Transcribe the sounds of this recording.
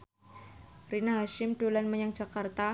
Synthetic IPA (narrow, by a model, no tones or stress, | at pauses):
rinaɦaʃɪmdolanməɲaŋd͡ʒa̤kart̪a